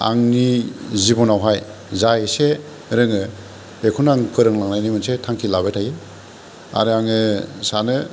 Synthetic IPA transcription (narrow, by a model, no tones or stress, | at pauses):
a̰ŋnizibɔnawɦaj | zajse | ɾɯŋɯ | bekʰunaŋkʰɯɾɯŋlaŋnajnimɯnsetʰaŋkʰilabejtʰajɯ | a̰ɾɯaŋɯsanɯ